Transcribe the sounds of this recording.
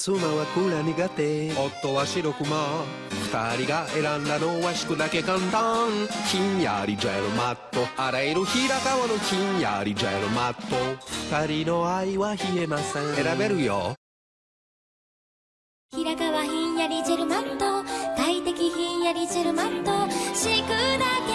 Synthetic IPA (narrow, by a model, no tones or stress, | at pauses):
sumawakuɾaniɡat̪eot̪ːowaʃiɾokuma | ku̥t̪aɾiɡaeɾand̪anowaʃi̥kud̪akekant̪aŋkiɲja̰ɾid͡ʒaeɾomat̪ːoaɾajɾuhiɾakawanokija̰ɾid͡ʒa̰eɾomat̪ːokɯ̥t̪aɾinoaiwaçiemasẽŋeɾabeɾɯjo | hiɾakaβaçĩɲjaɾid͡ʒeɾɯmãnt̪ot̪ait̪ekʲiçĩɲjaɾʲid͡ʑeɾɯ̟mant̪oɕikɯd̪ak̪